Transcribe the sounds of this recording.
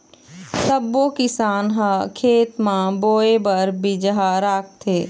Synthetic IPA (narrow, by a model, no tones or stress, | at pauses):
sɐbːokɪsaːnɦãkʰeːt̪mãboːebəɾbid͡ʒəɦaɾaːk̚t̪ʰeː